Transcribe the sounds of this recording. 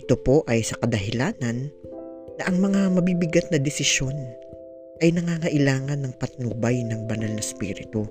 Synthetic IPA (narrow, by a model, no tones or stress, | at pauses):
ʔɪt̪o̞po̞ʔɐjsɐkɐd̪ɐɦɪlaːnɐnː | ɐʔɐŋmɐŋamɐbibɪɡat̪̚nɐd̪ɛsɪʃo̞n | ʔɐjnɐŋaːŋɐʔɪlaːŋɐnːɐŋpɐt̪nuːbɐjnɐŋbɐnalnɐspḭːɾɪt̪u